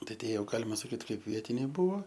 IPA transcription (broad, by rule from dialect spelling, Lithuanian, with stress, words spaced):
ˈtɐɪ ˈtʲiɛ ˈjɛʊ ˈɡɑːlʲɪmɐ sɐˈkʲiːt ˈkɐɪp ˈʋʲiɛtʲɪnʲɛɪ ˈbʊʋoː